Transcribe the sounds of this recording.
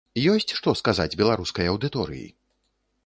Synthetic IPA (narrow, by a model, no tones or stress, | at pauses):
jɔsʲt͡sʲʂt̪ɔskazad͡zʲbʲɛlˠaɾuskɐjɐwd̪ɨt̪ɔɾɨ̰jḭ